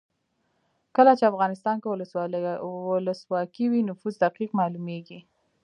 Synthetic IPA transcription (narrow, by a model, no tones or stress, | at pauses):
kəlat͡ʃeafɣɑnɪst̪ɑnkewlə | wʊləswɑkiwinʊfuzd̪aqiqmɑlumeɡi